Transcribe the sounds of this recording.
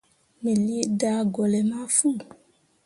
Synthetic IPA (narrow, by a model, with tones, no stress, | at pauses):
me˨li˦e˦da˦ɡɔ˨lɛ˨mã˦fu˦